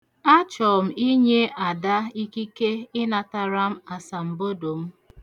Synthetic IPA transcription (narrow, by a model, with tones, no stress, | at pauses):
a˦t͡ʃɔ˨m̩˨i˦ɲe˦ʔa˨da˦i˦ki˦ke˦ɪ˦na˨ta˨ɾa˦m̩˦a˨sa˨m̩˨bo˦do˨m̩˦